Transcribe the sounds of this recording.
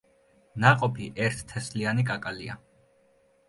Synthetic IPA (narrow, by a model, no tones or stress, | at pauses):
naqʼɔpʰiʔɛɾt̪ʰt̪ʰɛslianikʼakʼalḭa̰